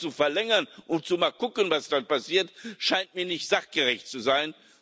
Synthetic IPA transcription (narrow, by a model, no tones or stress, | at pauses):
t͡sufɛɐlɛŋɐnʔʊntt͡sumaːlkʊkənvasd̥anpasiːɐtʃaɪntmiːɐnɪçtz̥aχɡ̥əʁɛçtt͡suzaɪn